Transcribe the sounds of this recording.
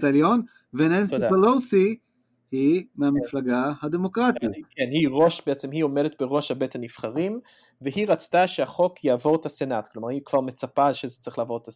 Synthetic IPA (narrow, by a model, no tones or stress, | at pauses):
t̪aljon | venenstod̪epalosi | himeamiflaɡahad̪emokʁat̪ikenhiʁo̞ʃbeet͡semɦio̞me̞det̪̚be̞ʁo̞ʃhabe̞t̪hanifχaʁim | veɦiʁat͡st̪aʃehaχo̞kjaːvo̞ʁt̪ase̞nat̪klo̞maʁhikv̥aʁmet͡sapaʃezet͡saʁiχlaːvo̞ʁet̪as